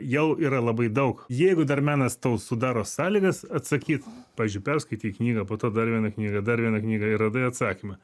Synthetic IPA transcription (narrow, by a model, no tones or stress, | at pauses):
jɛʊʔiːɾɐlˠɐbɐɪd̪ɐʊkjɛɪɡʊd̪ɐrmʲæːnɐst̪oʊsʊd̪ɑːɾoːsɑːlʲiːɡɐsɐt̪sɐkʲiːt̪pɑːʋʲɪzʲd͡ʒʲʊɪpʲɛrskɐɪt̪ʲiːknʲiːɡɐpoːt̪oːd̪ɐɾʋʲiɛnɐknʲiːɡɐd̪ɐɾʋʲiɛnɐknʲiːɡɐɪrɐd̪ɐɐt̪sɑːkʲɪmɐ